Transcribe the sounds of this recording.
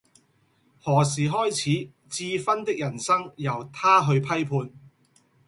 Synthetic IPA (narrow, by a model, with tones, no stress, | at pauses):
hɔː˨˩siː˨˩ɦɔː˥jt͡sʰiː˨˥ | t͡siː˧fɐ˥nt̪ɪ˥k̚jɐ˨˩nsɐ˥ŋjɐ˨˩wt̪ʰaː˥ɦɵ˧ɥpʰɐ˥jpʰuː˧n